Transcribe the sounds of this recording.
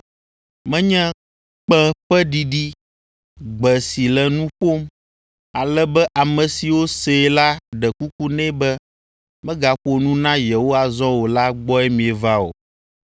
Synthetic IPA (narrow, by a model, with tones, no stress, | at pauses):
mɛ̃˦ɲɛ̃˦ | k͡pɛ̃˦ɸɛ˦ɖi˨ɖi˦ | ɡ͡bɛ˨si˨lɛ˨nũ˦ɸo˦m | a˨lɛ˦bɛ˦ʔa˨mɛ̃˨si˨wo˦se˨la˦ɖɛ˨ku˦ku˦nɛ̃˦bɛ˦ | mɛ̃˦ɡa˨ɸo˨nũ˦nã˦je˨wo˦a˨zɔ̃˦wo˨la˦ɡ͡bɔ˦ɛ˦mĩ˨ɛ˨va˦o̰˨